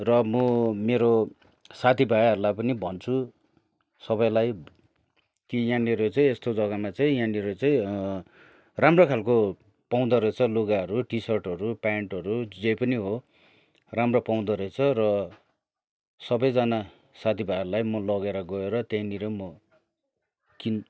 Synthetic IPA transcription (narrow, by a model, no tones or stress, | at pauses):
rʌmʌmeɾo | sat̪ʰibʱajɦʌɾulajpʌnibʱʌnt͡sʰu | sʌbʌjlaj | kijãniɾot͡saĩest̪od͡zʌɡamat͡saĩjãniɾot͡saĩ | ramrokʰalko | paw̃d̪ʌɾet͡sʰʌloɡaɦʌɾuʈisʌrʈʌɾupaeɳʈʌɾud͡zʌjpʌniɦo | ramropaw̃d̪ʌɾʌjt͡sʰʌrʌ | sʌbʌjd͡zana | sat̪ʰibʱajʌɾulajmʌlʌɡeɾʌɡʌeɾʌt̪eĩniɾʌmʌ | kin